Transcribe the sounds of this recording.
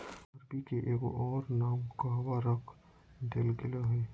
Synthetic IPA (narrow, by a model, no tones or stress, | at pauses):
ɐɾbikeʔeːko̰ʔɔːɾnaːmkaʋaɾɐkʰ | d̪elɡɪlaɦɛː